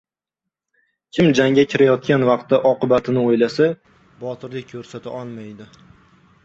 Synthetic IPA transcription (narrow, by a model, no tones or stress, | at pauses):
kʲʰɪmd͡ʒaŋʲakʲʰɪɾajɒt̪̚kʲanvɑq̚t̪ːaʔɒqɨbat̪ʰɪnɪojlasa | bɒt̪ʰɪɾlɪk̚ʲkʰːɵɾsat̪ʰaɒlˠmajd̪ɪ